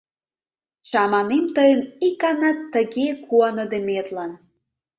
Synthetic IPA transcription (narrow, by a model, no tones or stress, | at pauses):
ʃɑmɑnemt̪əjənikɑnɑt̪ːəɣekuɑnəd̪emet̪lɑn